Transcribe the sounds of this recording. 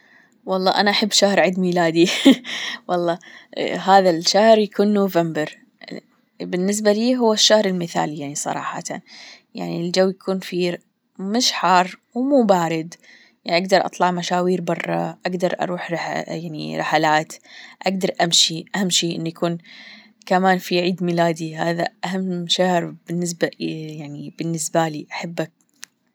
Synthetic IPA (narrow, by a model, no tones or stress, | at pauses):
wɑlˤːɑ̰ːʔanaʔaħabːʃahɾˤʕɪd̪miːlaːd̪i | wʔɑlˤːɑːɦaːðalʃahɾjakʰuːnːoːvambɪɾ | bɪnːɪs̬baliːɦʊwːaʃːahɾˤɪlmɪθa̰ːlijaʕnisˤɑ̰ɾˤɑ̰ːħɑ̰t̪a̰ | ja̰ʕnild͡ʒawːjakʰuːnfi | mɪʃħɑrˤwmuːbaːɾɪd̪ | jaʕniʔaɡ̚d̪ɑɾˤʔɑ̰t̪ˤlɑʕmaʃaːwiːɾbɑrˤːɑ̰ʔaɡd̪ɑɾˤʔɑ̰ɾˤuːħɾjaʕnḭɾˤɪħalaːt̪ʔaɡd̪ɑɾˤʔamʃiʔahamːʃiːʔɪ̰nːujakʰuːn | kamaːnfiʕiːd̪mɪlaːd̪ihaːða̰ʔaɦamːʃahɾb̥ɪnːɪs̬bajaʕnibɪnːɪsbaliːʔaħabːak̚